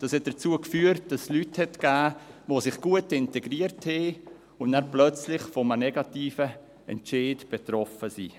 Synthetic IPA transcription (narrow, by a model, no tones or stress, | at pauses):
d̥ɑːshɛt̚d̥ət͡suəkfyːəɾt̚d̥ɑslythɛtkæːʋosɪχɡ̥uətɪntɛɡɾiəɾtheː | ʊnnæɾplœt͡slɪχfɔmənɛɡɑtiːfə | ɛ̰nt͡ʃeːdb̥et̪ɾɔfəsḭː